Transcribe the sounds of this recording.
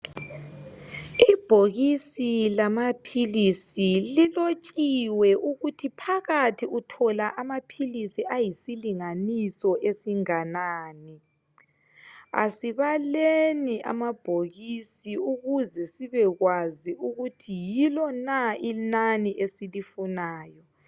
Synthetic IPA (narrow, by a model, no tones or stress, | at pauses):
ib̥ʱoɣisilamapʰilisililot͡ʃʼiwɛʔuɣutʰipʰaɣatʰiutʰɔlaʔamapʰilisiʔajisiliŋanisɔʔesiŋanaːni | a̰siβalenia̰mab̥ʱoɣisiuɣuzɛsiβɛɣwaziuɣutʰijilɔnainaniʔesilifunaːjɔ